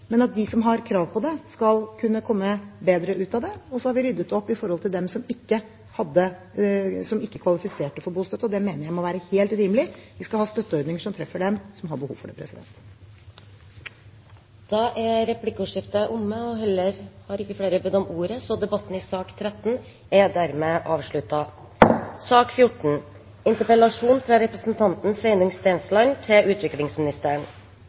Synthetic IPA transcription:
mɛnɑt̪̚d̪ɪsɔmɦɑɾkʰɾɑːʋpʰɔd̪ɛskɑlkʰʉnːəkʰɔmːəbeːd̪ɾəʔʉːt̪ɑd̪ɛɔsɔhɑɾʋɪɾʏd̪ːət̪ːɔpːɪfɔɾhɔlt̪ɪld̪ɛmsɔmɪkːə | hɑd̪ːə | sɔmɪkːəkʰʋɑlɪfɪseːʈəfɔɾbuːst̪œt̪əɔd̪ɛmeːnəɾjæɪmɔʋæːɾəheːlt̪ɾiːməlɪʋɪskɑlhɑːst̪œt̪ːəɔɾd̪nɪŋəʂɔmt̪ʰɾɛfːəɖɛmsɔmɦɑɾbəhṵːʋfɔɖɛ̰pʰɾɛ̰sɪd̪ɛ̰nt̪ | d̪̥ɑʔɛɾɛplɪkːuːʂɪft̪əʔʊmːəɔɦɛlːəɾhɑɾɪkːəfleːɾəbəd̪ɔmuːɾəsɔd̪ɛbɑt̪n̩ɪsɑːkt̪ʰɾɛt̪ːn̩ | ɛd̪æɾmeʔɑːʋʂɭʉt̪ɑ | sɑːkfjʊʈɳ̩ | ɪnt̪əɾpəlɑʂuːnfɾɑɾɛpɾəsnt̪ʰɑnt̪n̩sʋɛɪnʊŋst̪ɛnslɑɪnt̪ʰɪlʉːt̪ʋɪklɪŋsmɪnɪst̪æːəɳ

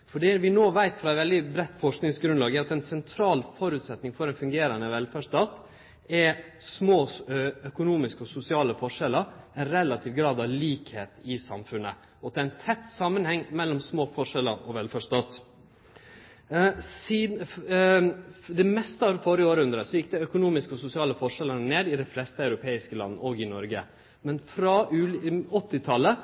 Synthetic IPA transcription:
fɔɖiːʋɪnoːʋæɪt̪fɾɑɛʋɛld̪ɪbɾɛt̪ːfɔʂknɪŋsɡɾʉnlɑːɡəɑt̪ɛnsɛnt̪ʰɾɑːlfɔɾʉːt̪sɛt̪nɪŋfɔɾɛnfʉŋɡeːɾɑnəʋɛlfæːʂt̪ɑːt̪ | ɛsmoːœkʊnuːmɪskəɔsʊsɪɑːləfɔʂɛlːəɾænɾɛlɑt̪ʰiːʋɡɾɑːd̪ɑʋliːkhḛːt̪ɪsɑ̰mfʉnə̰ | ɔɛæɪnt̪ʰɛt̪ːsɑmːənhɛŋːmɛlːɔmsmoːfɔʂɛləɾɔʋɛlfɔʂt̪ɔt̪ | siː | d̪ɛmɛst̪əɑɾfɔɾəoːɾəhʉnd̪ɾəsɔjɪk̚ːd̪ɛœkʊnuːmɪskəɔsʊsɪɑːləfɔʂɛləneːd̪ɪd̪ɛɪflɛst̪əɑʉɾʊpʰeːɪskəlɑ̰nːəoːɡɪnɔɾɡə̰ | mɛnfɾɑʔʉːɔt̪ːɪt̪ʰɑlːə

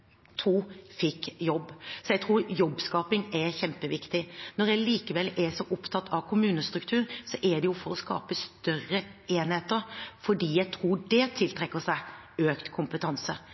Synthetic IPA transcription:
t̪ʰuːfɪkːjɔbːsɔjæɡt̪ʰɾuːɾjɔbːskɑːpɪŋɛɾçɛmpəʋɪkt̪ɪnɔɾjæɪliːkəʋɛlɛsɔʔʊpt̪ʰɑt̪ːɑʋkʰʊmʉːnəst̪ɾʉkt̪ʰʉːɾsɔʔɛɖ̪ɛjʊfɔɾɔskɑ̰ːpəst̪œrːəeːnheːt̪əɾfɔɖiːjæɪɡ̚t̪ʰɾuːɖɛt̪ʰɪlt̪ʰɾɛkːəsæɪ | øːkt̪kʰʊmpət̪ʰɑnsə

